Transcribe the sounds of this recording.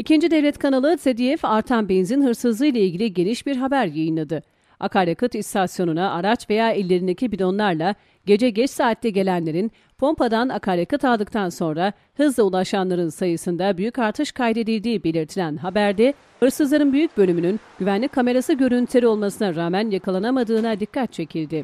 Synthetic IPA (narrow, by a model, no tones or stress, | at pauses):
icʰind͡ʒid̪evlʲɛt̪kʰanalˠɯsed̪ijɛfaɾt̪ʰanbenzinɦɯɾsɯzlˠɯjlˠailʲɟilʲiɟe̞niʃbiɾɦabæɾjajɯnlˠad̪ɯ | a̰kʰaɾjakɯt̪ist̪ʰasjo̞nunaʔaɾat͡ʃve̞jaːilʲːe̞ɾind̪ecʰibilʲo̞nlˠaɾlˠa | ɟe̞d͡ʒɛɟɛt͡ʃsaːt̪ːɛɟe̞lʲænlʲe̞ɾin | pʰo̞mpad̪anakʰaɾjakɯt̪ʰalˠd̪ɯk̚t̪ʰanso̞nɾa | hɯzlˠaulˠaʃanlˠaɾɯnsajɯsɯnd̪abyjycaɾt̪ʰɯʃkʰajd̪e̞d̪ilʲd̪iːbe̞lʲiɾt̪ʰilʲænɦabæɾd̪ɛ | hɯɾsɯzlˠaɾɯnbyjyc̚bølʲymynynɟ̥yvænlʲicʲkʰːame̞ɾasɯɟø̞ɾynt̪ʰʲeɾio̞lˠmasɯnaɾaːmænjakʰalˠanamad̪ɯːnad̪ikʰːat̪̚t͡ʃʰe̞cʰilʲd̪ɪ